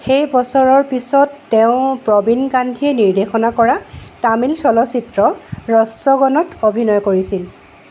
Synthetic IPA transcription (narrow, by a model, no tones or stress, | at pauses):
xejbɔsɔɹɔɹpisɔtːeʊ̃pɹɔbinɡandʱiɛniɹdexɔnakɔɹatamilsɔlɔsitɹɔɹɔsːɔɡɔnɔtobʱinɔjkoɹisil